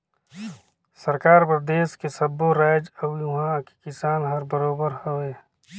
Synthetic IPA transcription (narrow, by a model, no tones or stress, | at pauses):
səɾkaːɾpɾəd̪eːʃkesɐboɾaːjd͡ʒɐjuɦãki̥kɪsaːnɦɐɾbəɾoːbəɾhoeː